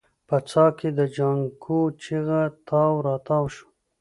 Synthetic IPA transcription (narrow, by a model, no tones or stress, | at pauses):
pət͡sɑːkʰed̪əd͡ʒaŋkʰot͡ʃiɣat̪ʰɑwɾɑːt̪ɑːwʃu̥